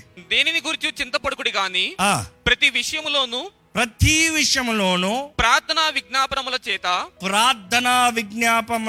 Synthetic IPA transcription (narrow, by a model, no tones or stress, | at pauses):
d̪eːniniɡuɾit͡ʃut͡ʃint̪ɐpɐɽukuɽiɡaːniːaːpɾɐt̪iʋiʂɐjɐmlo̞ːnuː | pɾɐt̪iʋiʂɐjɐmloːnupɾaːɾt̪ʰɐnaːʋiɡnaːpɐnɐmlɐt͡ʃɛːt̪ɐpɾaːɾt̪ɐnaːʋiɡnjaːpɐm